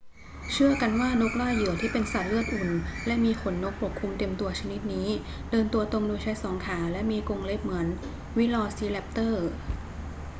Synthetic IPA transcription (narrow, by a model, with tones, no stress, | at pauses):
t͡ɕʰɯ˥˩ɐka˧nwaː˥˩no˦˥k̚laː˥˩jːɯ˨˩ɐt̪ʰiː˥˩pe˧nsa˨˩t̪̚lɯ˥˩ət̪̚ʔu˨˩nlɛ˦˥ʔmiː˧xʰo˩˦nːo˦˥k̚pʰu˨˩kʰːu˧mt̪e˧mt̪u˧ɐt͡ɕʰa˧ni˦˥t̪̚niː˦˥ | dɤː˧nt̪u˧ɐt̪o˧ŋduː˧jt͡ɕʰa˦˥jsɔː˩˦ŋkʰaː˩˦lɛ˦˥ʔmiː˧ko˧ŋle˦˥˩p̚mɯ˩˦ən | wi˦˥lɔː˧siː˧˥lɛ˦˥p̚t̪ɤː˥˩